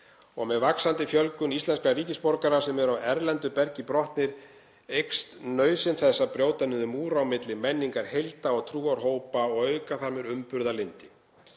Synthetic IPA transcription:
ɔɣmɛðvaksant̪ɪfjœlkʏnist̪lɛnskariːcɪspɔɾkaɾasɛmɛɾawɛɾlɛnt̪ʏpɛɾcɪpɾɔht̪nɪɾ | ejkst̪nœːɥsɪnθɛsːapɾjoːwt̪anʏðʏmuːɾawmɪt̪lɪmɛnːiŋkaɾ̥hejlt̪aɔɣt̪ʰɾuːaɾ̥ɦoːwpaɔɣœɥkaθaɾmɪɾʏmpʏɾðalɪnt̪ɪ

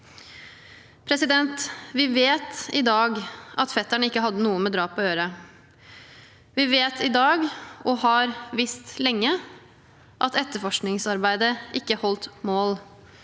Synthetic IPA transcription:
pʰɾɛsɪd̪ɛnt̪ʋɪʋeːt̪ɪd̪ɑːɡɑt̪fɛt̪ːæɳəɪkːəɦɑd̪ːənuːəmɛːd̪ɾɑːpɔøːɾə | ʋɪʋeːt̪ʰɪd̪ɑːɡɔhɑɾʋɪst̪lɛŋːə | ʔɑt̪ɛt̪ːəɾfɔʂknɪŋsɑɾbæɪd̪əʔɪkːəhɔlt̪moːl

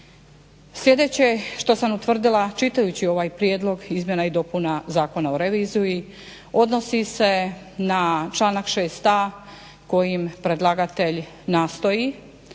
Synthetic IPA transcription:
slʲje̞d̪e̞t͡ɕeʃt̪o̞samut̪ʋr̩d̪ilˠat͡ʃit̪ajut͡ɕio̞ʋaːjpɾjed̪lˠo̞ɡizmje̞naid̪o̞punazaːko̞naoɾeʋizuji | o̞d̪no̞sise̞ | nat͡ʃlˠaːnakʃeːst̪a | ko̞jimpɾe̞d̪lˠaɡat̪e̞ʎ | naːst̪o̞ji

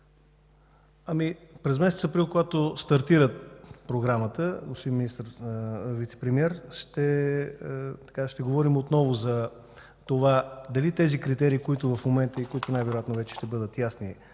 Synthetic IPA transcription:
ɐmipɾɛzmɛsɛt̪səpɾilˠkoɡat̪ost̪ɐɾt̪iɾət̪pɾoɡɾamət̪əɡosimminist̪əɾvit̪sɛ̥pɾɛmiɛɾʃt̪ɛ | t̪ɐ̥kaʃt̪ɛɡovɔɾimot̪nɔvozɐ | t̪ovad̪ɐlit̪ɛzikɾit̪ɛɾiːkoit̪ʊvɐfmomɛnt̪əikoit̪ʊnajvɛɾojat̪novɛt͡ʃɛ̥ʃt̪ɛbɤd̪ət̪jasni

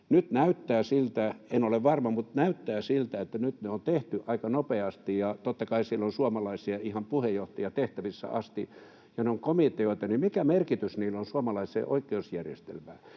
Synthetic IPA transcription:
nyt̪næyt̪ːæːsilt̪æenoleʋʋɑrmɑmut̪næyt̪ːæːsilt̪æet̪ːænyt̪neont̪eht̪yʔɑikɑnopeɑst̪ijjɑt̪ot̪ːɑkɑisilːonsuomɑlɑisiɑihɑmpuhejoht̪ɑjɑt̪eht̪æʋisːæ̰ɑst̪ḭ | jɑneoŋkomit̪eoit̪ɑnimikæmerkit̪ysniːlːonsuomɑlɑisḛːʔo̰ikːˑeusjærjḛst̪ḛlmæ̰ː

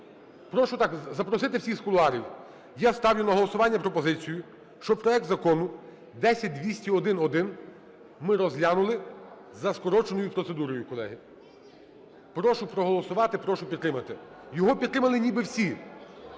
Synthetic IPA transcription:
pɾɔʃʊt̪ɑkzɐpɾɔsɪt̪ɪwsʲixskʊlˠʊɑɾʲiw | jast̪ɑwjʊnɐɦɔlˠɔsʊʋɑnʲːɐpɾɔpɔzɪt͡sʲijʊ | ʃt͡ʃɔpɾɔɛk̚t̪zɐkɔnʊ | d̪ɛsʲɐt̚ʲd̪ʲʋʲisʲtʲiɔd̪ɪnɔd̪ɪn | mɪɾɔzlʲanʊlˠɪ | zɐskɔɾɔt͡ʃenɔjʊpɾɔtsed̪uɾɔjʊkɔlˠɛ̰ɦɪ | pɾɔʃʊpɾɔɦɔlˠɔsʊʋɑt̪ɪpɾɔʃʊpʲid̪t̪ːɾɪmɐt̪ɪ | jɔɦɔpʲid̪t̪ːɾɪmɐlˠɪnʲibɪwsʲi

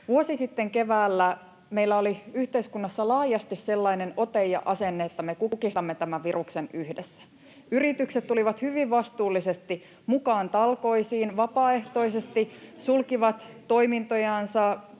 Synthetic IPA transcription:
ʋuosisit̪ːeŋkeʋæːlːæ | meilːæoliyht̪eiskunːɑsːɑlɑːjɑst̪isselːɑineno̞t̪ejɑ̰ʔɑsenːeːt̪ːæmekukist̪ɑmːet̪æmæʋʋiruksenyhdesːæ̥ | yrit̪ykset̪t̪uliʋɑt̪hyʋiʋʋɑst̪uːlːisest̪i | mukɑːnt̪ɑlko̞isiːnʋɑpɑːe̞ht̪o̞isest̪isulkiʋɑt̪t̪ːo̞imint̪ojɑnsɑ

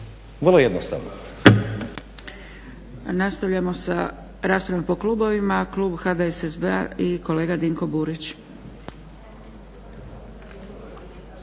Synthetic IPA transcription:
ʋrlˠoje̞d̪nost̪a̰ʋno̰ | nast̪aʋʎamo̞sa | ɾaːspɾaʋapo̞kluːbo̞ʋimakluːbxad̪aesezbea̰iko̞le̞ːɡad̪iŋko̞buːɾit͡ɕ

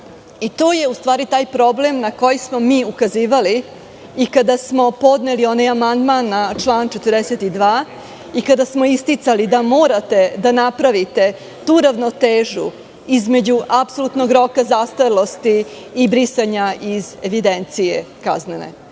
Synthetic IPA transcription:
it̪oːje̞ust̪ʋaːɾit̪aːjpɾo̞ble̞mnako̞jismo̞miːukaziːʋaliː | kad̪asmo̞po̞d̪nelio̞najamand̪manːat͡ʂlˠaːnt͡ʃet̪rd̪eset̪id̪ʋaː | ikad̪asmo̞ist̪it̪salid̪amo̞ːɾat̪e̞d̪anapɾaʋit̪e̞ | t̪uːɾaʋno̞t̪eːʒṵ | izme̞d͡ʑuʔapsolˠut̪no̞ɡɾo̞kazast̪alˠo̞st̪iː | bɾisaɲaʔize̞ʋid̪ent̪sijeka̰znenḛ

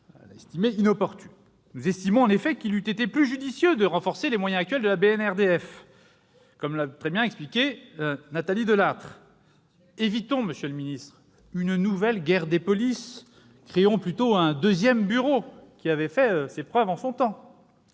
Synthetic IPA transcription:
la̰ɛst̪imeinɔpɔʁt̪y̥ | nuzɛst̪imɔ̃ɑ̃nefɛkilyt̪et̪eplyʒyd̪isjød̪əʁɑ̃fɔʁselemwajɛ̃ak̚t̪ɥɛld̪əlabeɛnɛʁd̪eɛf | kɔmlat̪χɛbjɛ̃ɛksplikʲenat̪alid̪əlat̪χ | evit̪ɔ̃məsjøləminist̪χ | ynnuvɛlɡʲɛʁd̪epɔlis | kχeɔ̃plyt̪oɛ̃d̪øzjɛmbyʁokʲiavɛfɛøsepχœvɑ̃sɔ̃t̪ɑ̃

